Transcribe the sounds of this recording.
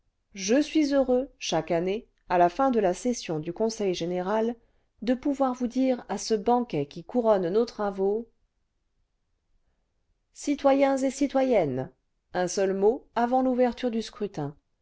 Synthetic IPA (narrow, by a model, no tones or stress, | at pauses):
ʒəsɥizøʁøʃakane | alafɛ̃d̪əlasɛsjɔ̃d̪ykɔ̃sɛjʒeneʁal | d̪əpuvwaʁvud̪iʁasəbɑ̃kʲɛkʲikuʁɔnnot̪χavo | sit̪wajɛ̃zesit̪wajɛn | ɛ̃sœlmoavɑ̃luvɛʁt̪yʁd̪yskχyt̪ɛ̃